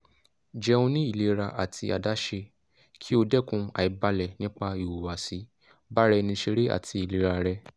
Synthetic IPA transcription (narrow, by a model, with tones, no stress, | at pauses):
d͡ʒɛ˧ũ˧nĩ˦i˦˨le˨˦ɾa˧ʔa˨tʰi˧a̰˨da˦ʃe˧ | kʰi˦o˧dɛ˦kũ˧a̰˨i˨˦ba˧lɛ˨nĩ˦k͡pa˧i˨wu˨wa˨si˨˦ | ba˦ɾɛ˧nĩ˧ʃe˧ɾe˦a̰˨tʰi˧i˨le˨˦ɾa˧ɾɛ˧